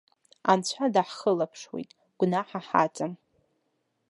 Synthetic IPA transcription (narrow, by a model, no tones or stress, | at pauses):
ant͡ɕʷʰadaħχəlapʰʂwḭjtʼ | ɡ̥ʷnaħaħa̰t͡sʼam